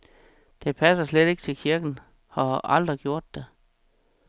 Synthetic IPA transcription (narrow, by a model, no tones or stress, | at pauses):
d̥e̝pʰæsɐsleɾ̥e̝ɡ̥t͡sʰe̝lkʰiɐɡ̥n̩ | hɒʔɑld̥ʁiɡ̥jo̝ɐ̰d̥ːe